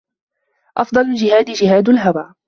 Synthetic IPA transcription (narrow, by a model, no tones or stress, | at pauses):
ʔɑfd̪ˤɑlʊld͡ʒɪhaːd̪ɪd͡ʒɪɦaːd̪alɦawaː